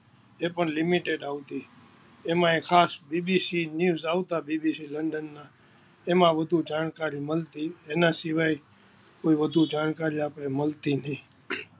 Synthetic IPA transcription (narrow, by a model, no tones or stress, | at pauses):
epəɳlɪmiʈeɖaʋt̪i | emãekʰaːsbibisinjuzaʋt̪abibisiləɳɖənːa | emãʋəd̪ʱud͡ʒankaɾiməlt̪ienãsɪʋaj | koiʋəd̪ʱud͡ʒankaɾiapɾeməlt̪inəĩ